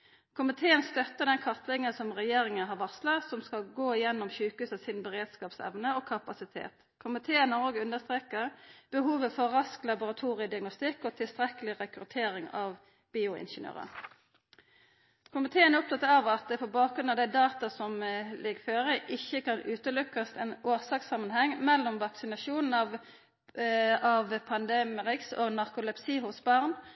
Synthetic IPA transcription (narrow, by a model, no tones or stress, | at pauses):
kʰʊmɪt̪ʰeːənst̪œt̪ːəd̪ɛnkʰɑt̪lɪŋənsɔmʁɛjeːɾɪŋənɦɑɾʋɑslɑsɔmskɑlɡoːɪjɛnːɔmçʉːkəʉːsɑsɪnbəɾeːd̪skɑːpsɛ̰ʋnəɔkʰɑpɑsɪt̪ʰḛːt̪ | kʰʊmɪt̪ʰeːənɔɡəʉnd̪əst̪ɾeːkəʁb̥əhuːʋəfɔɾɑsklɑbʊɾɑt̪ʰuːɾɪəd̪ɪɑɡnʊst̪ɪkːɔt̪ʰɪlst̪ɾɛkəlɪʁɛkɾʉt̪ʰeːɾɪŋɑʋ | b̥iːʊɪ̰nʃənø̰ːʁə̰ | kʰʊmɪt̪ʰeːənɛʊp̚t̪ɑt̪ːɑɑːʋɑt̪̚d̪ɛpʰɔbɑːk̚ɾʉnɑʋd̪æɪd̪ɑːt̪ɑsɔmlɪɡføːɾəʔɪçːəkɑnʉːt̪əlʉkːɑst̪ɛnoːʁsɑksɑmːənhɛŋːmɛlːɔmʋɑksɪnɑʃuːnn̩ɑʋ | ɑʋpʰɑnd̪eːmɪʁɪkso̰ːɡnɑʁkʊlɛpsiːɦʊsbɑʁn